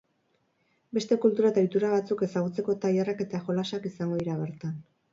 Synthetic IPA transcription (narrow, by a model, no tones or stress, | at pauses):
be̞st̪e̞kult̪uɾat̪ajt̪uɾaβat͡suke̞saɣ̞ut͡se̞ko̞t̪ajarake̞t̪axo̞lasakisaŋɡo̞ðiɾaβe̞ɾt̪an